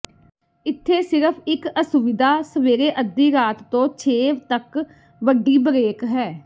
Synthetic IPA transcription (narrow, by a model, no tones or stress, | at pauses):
ɪt̪ʰːeːsɪɾəpʰɪkəsʊʋɪd̪ʱaːsəʋeːɾeːʔəd̪iːɾaːt̪ːõːt͡ʃʰeːʋt̪ək | ʋəɖːiːbəɾeːkɦɛː